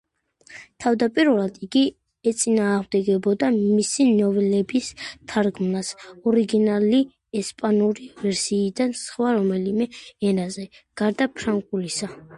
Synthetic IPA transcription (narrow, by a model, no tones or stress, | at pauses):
t̪ʰavd̪apʼiɾulad̪iɡi | ɛt̪sʼinaːʁmd̪ɛɡɛbɔd̪amisinɔvɛlɛbist̪ʰaɾɡmnasɔɾiɡinali | ɛspʼanuɾivɛɾsiːd̪ansχwaɾɔmɛlimɛɛɾazɛɡ̥aɾd̪apʰɾaŋkʼulisa